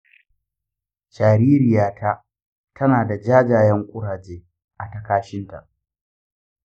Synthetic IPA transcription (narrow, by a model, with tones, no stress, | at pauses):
ʃaː˨ɾiː˦ɾɪ˨jaː˦ta˦ | tʰɐ˦naː˨da˨d͡ʒaː˦d͡ʒaː˨jɐ˦ŋkʷʼʊ˦ɽaː˨d͡ʒeː˦ | ʔa˨tɐ˦kaː˦ʃɪ˦nta̰˨ʔ